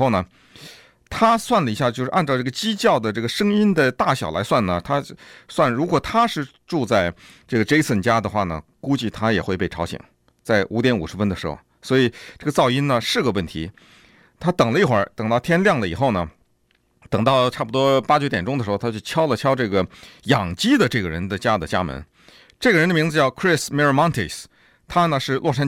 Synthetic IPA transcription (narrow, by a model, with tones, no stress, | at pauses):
o˥˩ʊnə˩ | t̪ʰa˥swa˥˩nlə˩i˧˥ɕja˥˧t͡ɕjo˥˧ʂɻ̩˥˧a˥˧nʈ͡ʂɑ˥˧ʈ͡ʂɤ˥˩ə˩t͡ɕi˥t͡ɕjɑ˥˩ʊd̪ə˩ʈ͡ʂɤ˥˩ɡə˩ʂɤ˥ŋi˥nd̪ə˨t̪a˥˩ɕjɑ˨˩ʊla̰˧˥ɪswa˥˩nnə˩t̪ʰa˥swa˥˩nɻu˧˥kwɔ˨˩t̪ʰa˥ʂɻ̩˥˧ | ʈ͡ʂu˥˧t͡sa˥˧ɪ | ʈ͡ʂɤ˥˩ɡə˩ʈ͡ʂe˥ɪsʰə˥˩nt͡ɕja˥d̪ə˨xwa˥˩nə̰˩ku˥t͡ɕi˥˩t̪ʰa˥jɛ˨˩xwe˥˧pe˥˩ɪʈ͡ʂʰɑ˧˥ʊɕḭ˨˩˦ŋ | t͡sa˥˩ɪʔu˧˥t̪jɛ˧˥nu˨˩ʂɻ̩˧˥fə˥nd̪ə˩ʂɻ̩˧˥xo̰˥˩ʊswɔ˧˥i˨˩˦ʈ͡ʂɤ˥˩ɡə˩t͡sɑ˥˩ʊi˥nnə˨ʂɻ̩˥˩ɡə˩wə˥˩nt̪ʰḭ˧˥ | t̪ʰa˥t̪ɤ˨˩ŋlə˦i˥˩xwə̰˞˧˥t̪ɤ˨˩ŋt̪ɑ˥˩ʊt̪ʰjɛ˥nljɑ˥˩ŋlə˩i˨˩xo˥˩ʊnə˩ | t̪ɤ˨˩ŋt̪ɑ˥˧ʊʈ͡ʂʰa˥˩pu˩t̪wɔ˥pa˥t͡ɕɥɛ˧˥t̪jɛ˨˩nʈ͡ʂʊ˥ŋd̪əʂɻxo˧˩t̪ʰa˥t͡ɕo˥˩t͡ɕʰjɑ˥ʊlə˨t͡ɕʰjɑ˥ʊʈ͡ʂɤ˥˩ɡə˩jɑ˨˩ŋt͡ɕi˥d̪ə˨ʈ͡ʂɤ˥˩ɡə˩ɻə̰˧˥nd̪ə˧t͡ɕja˥d̪ə˨t͡ɕja̰˥mə̰˧˥n | ʈ͡ʂɤ˥˩ɡə˩ɻə˧˥nd̪ə˧mi˧˥ŋd͡zɹ̩˧t͡ɕjɑ˥˩ʊkʰɹi˥˧smɛ˥ɹə˥˧mɑ˥ŋt̪ʰi˥˩s | t̪ʰa˥nə˨ʂɻ̩˥˧lʔɔ˥˩ʂa˥